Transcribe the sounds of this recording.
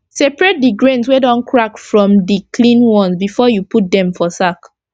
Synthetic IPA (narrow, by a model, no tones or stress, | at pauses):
sɛpɹɛt̚diɡɹẽnswedɔ̃nkʰɹakfɹɔ̃mdikʰlĩnwɔ̃nsbifɔjuput̚dɛ̃mfɔsak